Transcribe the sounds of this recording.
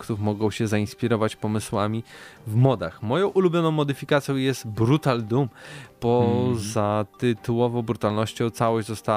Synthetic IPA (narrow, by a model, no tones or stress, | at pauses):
kt̪ufmɔɡɔ̃w̃ɕɛzaĩspʲiɾɔvat͡ɕpɔmɘswamʲivmɔd̪axmɔjɔ̃w̃ʔulubʲjɔnɔ̃w̃mɔd̪ɘfʲikat̪sʲjɔ̃w̃jɛst̪bɾut̪ald̪umpɔzat̪ɘt̪uwɔvɔ̃w̃bɾut̪alnɔɕt͡ɕɔ̃w̃t̪sawɔʑd͡ʑzɔst̪a